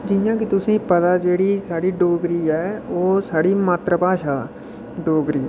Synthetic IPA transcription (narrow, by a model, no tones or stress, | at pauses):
d͡ʒɪjãːkit̪ʊsẽĩpəd̪aːd͡ʒeːɽisaːɽiɖoːɡɾiɛːoːsaːɽiːmaːt̪ɾəpaːʃaː | ɖoːɡɾiː